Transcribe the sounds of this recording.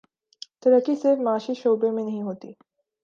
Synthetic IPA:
t̪əɾəkisɪɾfmaːʃiʃowbemẽnəɦĩɦot̪ḭ

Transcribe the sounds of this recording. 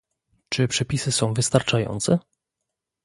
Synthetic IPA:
t͡ʂɘpʂɛpʲisɘsɔ̃w̃vɘst̪aɾt͡ʂajɔ̰nt̪sɛ

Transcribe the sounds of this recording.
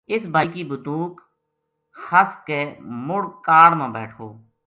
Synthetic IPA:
ɪsbʱaːikiːbʊt̪uːk | həskeːmʊɽkaːɽmẽːbɛ̰ːʈʰo̰ː

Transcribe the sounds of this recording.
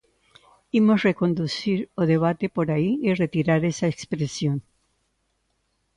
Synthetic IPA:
imosre̞ko̞nd̪usiɾoðe̞βat̪e̞po̞ɾaiire̞t̪iɾaɾe̞saekspɾesjo̞n

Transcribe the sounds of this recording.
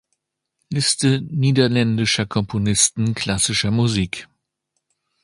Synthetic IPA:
lɪstəniːdɐlɛndɪʃɐkʰɔmpʰonɪstn̩kʰl̥asɪʃɐmuziːk

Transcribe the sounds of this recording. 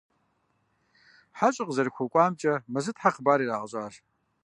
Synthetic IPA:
ħaɕʼɪqzɐrxʷʊkʷʼɑːmt͡ʃʼɐmɐzɨtħaqbaːɾiːɾaːʁɐɕʼaːɬ

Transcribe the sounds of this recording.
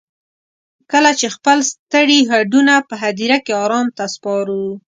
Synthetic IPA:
kəlat͡ʃexpəlst̪əɽiɦaɖunapəɦad̪iɾakeɑɾɑmt̪aspɑɾu

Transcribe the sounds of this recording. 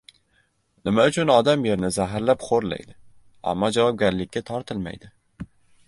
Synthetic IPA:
nɪmaʊt͡ʃʰʊnɒd̪amje̞ɾnɪzaɦɾlapχoɾla̰jd̪ɪ | a̰mːɒd͡ʒavɒp̚ɡʲaɾlɪkʲːat̪ʰɒɾt̪ʰɪlma̰jd̪ɪ

